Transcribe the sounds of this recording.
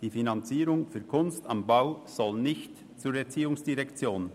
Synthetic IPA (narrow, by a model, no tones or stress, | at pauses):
d̥iːfinɑnt͡siːɾʊŋfyɐkʰʊnstambaʊz̥ɔlnɪçt | t͡suːɾɛt͡siːʊŋsd̥iʁɛkt͡sjoːn